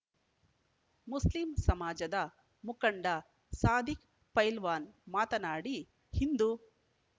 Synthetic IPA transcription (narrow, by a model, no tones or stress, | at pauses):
muslimsɐmaːd͡ʒɐd̪ɐ | mukɐɳɖɐ | saːd̪ik | pɐjlʋaːnmaːt̪ɐnaːɽi | hind̪u